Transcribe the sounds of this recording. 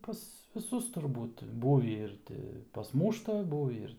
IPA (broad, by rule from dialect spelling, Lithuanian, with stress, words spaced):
pɐs ʋʲɪˈsʊs tʊrˈbuːt ˈbuːʋʲiː ˈɪr tʲɪ pɐsˈmuːʃtɐ ˈbuːʋʲiː ɪr